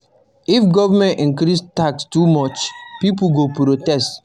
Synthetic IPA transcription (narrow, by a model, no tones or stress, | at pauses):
ifɡɔvamɛ̃nĩŋkɾistakstumɔt͡ʃpip̬ulɡopɾotɛst